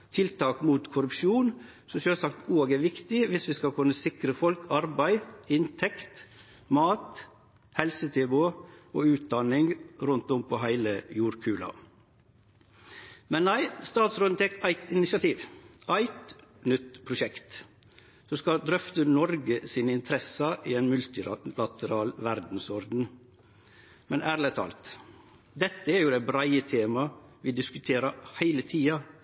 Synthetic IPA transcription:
t̪ʰɪlt̪ʰɑːkmuːt̪kʰʊɾʉpʃuːn | sɔʃøːlsɑkt̪oːɡæɾʋɪkt̪ɪʋɪsʋɪskɑkʰʉnːəsɪkɾəfɔlkʰɑɾbæɪɪnt̪ʰɛkt̪ | mɑːt̪ | hɛlsət̪ʰɛbʊoːʉːt̪̚d̪ɑnɪŋɾʉnt̪ɔmpʰɔːɦæɪləjuːɾkʰʉːlɑ̰ | mɛnnæɪst̪ɑːt̪sɾoːd̪ət̪ʰɛːkæɪt̪ɪnɪsɑt̪ʰiːʋʔæɪt̪nʏt̪pʰɾʊʃɛkt̪ | sɔskɑd̪ɾœft̪ənɔɾɡəsiːnɪnt̪ʰɾɛsɑʔɪeːnmʉlt̪ɪlɑt̪əɾɑːlʋæɾd̪n̩sɔɾd̪n̩ | mɛnʔæːɾlət̪ʰɑ̰ːlt̪ | d̪ɛt̪ːəɛɾjʊd̪ɛæɪbɾæɪət̪ʰeːmɑʋɪd̪ɪskʉt̪ʰeːɾəhæɪlət̪ʰiːɑ

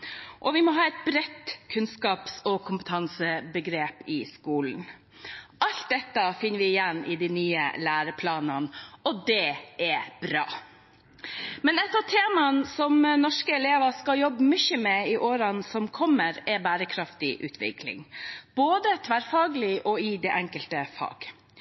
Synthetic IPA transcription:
ʔɔʋɪmɔɦɑːɛt̪̚bɾɛt̪kʰʉnskɑːpsɔkʰʊmpət̪ʰɑnsəbəɡɾeːpɪskuːln̩ | ʔɑlt̪̚d̪ɛt̪ːəfɪnːəɾʋɪɪjɛnːɪ̰d̪inyːə̰læːɾəpʰlɑːnɑnɔd̪ɛɛb̥ɾɑ̰ː | mɛnɛt̪ːɑʋt̪ʰeːmɑnsɔmnɔʂkəɛleːʋɑʂkɑjɔbːəmʏçəmɛɪʔoːɾɑnsɔmkʰɔmːəɾɛbæːɾəkʰɾɑft̪ɪʔʉ̰ːt̪ʰʋɪ̰kʰlɪ̰ŋb̥oːd̪ət̪ʰʋæːɾfɑːɡlɪʔɔɪd̪ɛʔɛŋkəlt̪əfɑ̰ːɡ̥

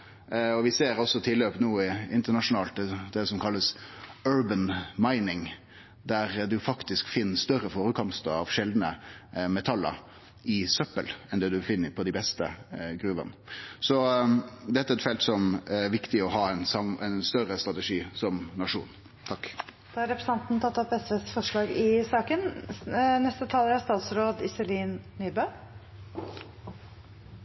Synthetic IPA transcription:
ɔʋɪseːɾɔsːɔt̪ʰɪlːøːpnuːɪɪnt̪ənɑʂʊnɑːlt̪̚d̪ɛd̪̥ɛsɔmkʰɑlːəsøːɹbənmɑɪnɪŋ | d̪æɾd̪ʉfɑkt̪ɪskfɪnːst̪œrəfoːɾəkʰɔmst̪əɾɑʋʂɛld̪nəmɛt̪ʰɑlə̰ɾ | ɪsœpːəlɛnd̪ɛːd̪ʉfɪnːəpʰɔd̪ɪbɛst̪ə̰ɡɾʉːʋə̰nsɔd̪ɛt̪ːəæɛɛt̪fɛlt̪sɔmʋɪkt̪ɪɔɦɑːɛnsɑmɛnst̪œɾəst̪ɾɑt̪əʂiːsɔmnɑʂṵːn | t̪ʰɑkː | d̪̥ɑːɑɾɛpɾəsɑnt̪n̩t̪ʰɑt̪ːɑpɛsʋeːsfɔʂɭɑːɡɪsɑːkən | nɛst̪ət̪ʰɑləɾhæst̪ɑːt̪sɾoːd̪ɪsəliːnnyːbøː

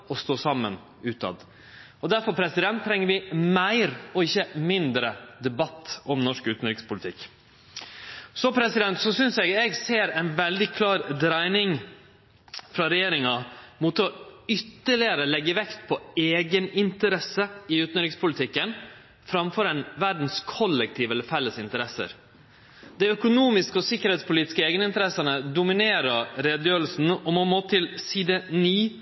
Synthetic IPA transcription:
ɔst̪oːsɑmːə̰n | ʉːt̪ɑ̰d̪ | ɔd̪æɾfɔɾpʰɾɛsɪd̪ɛnt̪ʰːɾɛŋːəɾʋɪmæɪɾɔɪçːəmɪnd̪ɾəd̪ɛbɑt̪ːɔmnɔʂkʉːt̪n̩ɾɪkspʊlɪt̪ʰɪkː | sɔpʰɾɛsɪd̪ɛnt̪sɔsʏnsɛɡɛɡseːɾɛɪnʋɛld̪ɪkʰlɑːɾd̪ɾæɪnɪŋ | fɾɑɾɛjeːɾɪŋɑmuːt̪ɔʏt̪ːəɭɪəɾəlɛɡːəʋɛkt̪pʰɔeːɡənɪnt̪əɾɛsəɪʉːt̪nɾɪkspʰʊlɪt̪ʰɪkːən | fɾɑmfɔɾɛnʋæɖn̩skʰɔlːɛk̚t̪ʰiːʋɛlːəɾfɛlːəsɪnt̪əɾɛsə̰ɾ | d̪æɪœkʊnuːmɪskəɔsɪkːəɾhɛːt̪spʊliːt̪ɪ̥skəeːɡənəɪnt̪əɾɛsənəd̪ʊmɪneːɾəɾɾeːd̪jøːɾl̩sn̩ɔmɔmoːt̪ʰɪlsiːd̪əniː

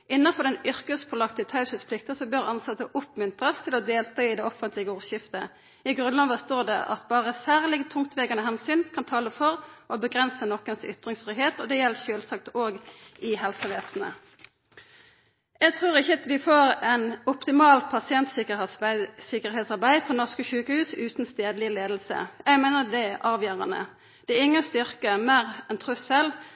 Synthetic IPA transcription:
ʔɪnːəfɔʁd̪ɛnʏʁkəspʰɔlɑkt̪ət̪ʰɑʉsɪspʰlɪkt̪əsɔbøʁɑnsɑt̪ːəʔʊpmʏnt̪ʁəst̪ʰɪlɔd̪eːlt̪ʰɑːɪd̪ɛɔfənt̪lɪɡəuːʁʃɪft̪ə | ɪɡʁʉnlɑːʋəst̪oːʁd̪ɛ̰ʔɑ̰t̪bɑːʁəsæːʁlɪɡt̪ʰʊŋkt̪ʰʋeːɡɑnəɦɛnsyːnkʰɑnt̪ʰɑːləfɔʁʔɔbəɡʁɛnsənɔkːənsʏ̰t̪ʁɪŋsfʁʏːheːt̪ɔd̪ɛjɛlːəʃøːlsɑkt̪oːɡɪhɛlsəʋeːsn̩ə̰ | jæɪt̪ʰʁuːʁɪçəʋɪfoːʁænɔpt̪ɪmɑːlpʰɑsɪɛnt̪sɪkəsɪkəʁɦɛːt̪sɑʁbæɪpʰɔnɔʁskəʃʉːkəhʉːsʉːt̪n̩st̪eːd̪lɪleːd̪lsə̰jæɪmeɪnəd̪ɛʔɑːʋjøːʁɑnə̰ | d̪̥ɛɪŋːəst̪ʏʁkəmeːʁɛnt̪ʰʁʉsɛl

